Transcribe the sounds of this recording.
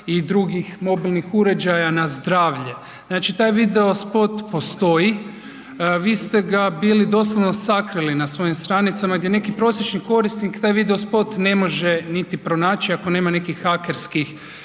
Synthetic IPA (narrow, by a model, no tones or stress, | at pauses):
id̪ɾuɡixmo̞bilˠnixuɾe̞d͡ʒajanazd̪ɾaːʋʎe | znaːt͡ʃit̪aːjʋid̪eo̞spo̞t̪po̞st̪o̞ji | ʋiːst̪e̞ɡabiːlid̪o̞slˠoʋnosakɾilinasʋo̞jimst̪ɾanit̪samaɡd̪ʲje̞ne̞kipɾo̞sjet͡ʃniko̞ɾisnikt̪aːjʋid̪e̞o̞spo̞t̪ne̞mo̞ʒenit̪ipɾo̞naːt͡ʃiako̞ne̞ːmane̞kixːake̞ɾskix